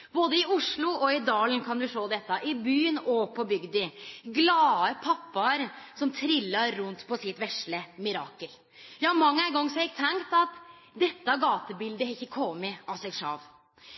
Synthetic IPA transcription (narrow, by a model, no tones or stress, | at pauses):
boːd̪əɪʊʂɭʊɔɪd̪ɑːlənkʰɑnd̪ʉʂoːd̪ɛt̪ːɑʔɪbyːnɔpʰɔbʏɡd̪ɪɡlɑːəpʰɑpːɑɾsɔmt̪ʰɾɪlːɑɾːʉnt̪pʰɔsɪt̪ʋɛʂləmɪɾɑːkəl | jɑːmɑŋːəæɪɡɔŋːsɔɪk̚t̪ʰɛŋkt̪ɑt̪ | d̪ɛt̪ːəɑɡɑːt̪əbɪld̪əɾɪçːəkʰɔmməʔɑsɛɡʂɑ̰ːʋ